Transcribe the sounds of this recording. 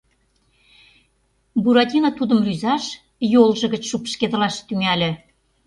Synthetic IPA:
buɾɑt̪ʲinɑt̪ud̪ə̆mryzɑʃ | jolʒɤ̆ɣə̆t͡ɕʃupʃked̪ə̆lɑʃt̪yŋælʲĕ

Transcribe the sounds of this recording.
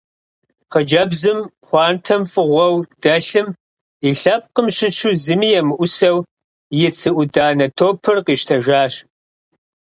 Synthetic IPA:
χəd͡ʒɐbzɨm | χʷɑːntʰɐmfʼɨʁʷɔwd̥ɐɬɨm | iɬɐp̚qəmɕɪt͡ʃʰuzɨmijɛmɨʔʷʊsɐw | jɪt͡sʰɨʔʷʊdaːnɐtʰoːpʰɨrqiːʃtʰɐʒaːɕ

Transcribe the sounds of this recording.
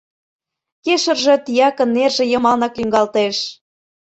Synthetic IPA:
keʃə̆rʒɤ̆t̪ijɑkə̆nːerʒĕjɤ̆mɑlnɑklyŋɡɑlt̪eʃ

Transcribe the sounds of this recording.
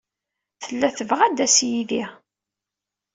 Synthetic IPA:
θəlːæθəvʁæd̪æsjiði

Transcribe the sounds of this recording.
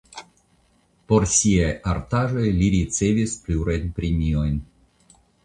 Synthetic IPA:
po̞ɾsiajaɾt̪aʒo̞jliɾit͡se̞vispluɾajnpɾemio̞jn

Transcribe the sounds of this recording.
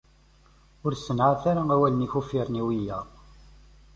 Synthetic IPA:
ʊɾsːənʕaθaɾaæwæləniçufiɾˤniwijæ

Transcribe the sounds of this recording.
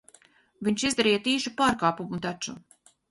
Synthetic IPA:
viɲʃizd̪aɾijat̪iːʃupaːɾkaːpumut̪at͡ʃu

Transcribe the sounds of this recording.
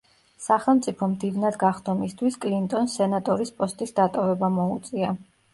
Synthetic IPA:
saχɛlˠmt̪sʼipʰɔmd̪ivnad̪ɡaχd̪ʰɔmist̪ʰwiskʼlint̪ʼɔnsɛnat̪ʼɔɾispʼɔst̪ʼisd̪at̪ʼɔvɛbamɔut̪sʼia

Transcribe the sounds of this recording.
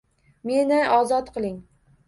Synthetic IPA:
menɪʔɒzɒt̪qʰɨlˠɪŋ

